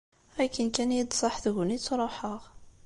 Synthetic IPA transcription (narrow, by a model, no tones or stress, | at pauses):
ækənkænjid̪sˤɑħθɣʊnit͡sːɾˤoħəʁ